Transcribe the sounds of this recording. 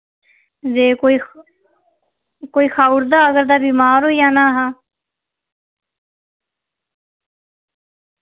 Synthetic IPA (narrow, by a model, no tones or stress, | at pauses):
zeːkoːi | koːiːxʰaːʊɾd̪aːəɡəɾd̪aːbiːmaːɾɦoːiːjaːnaːɦaː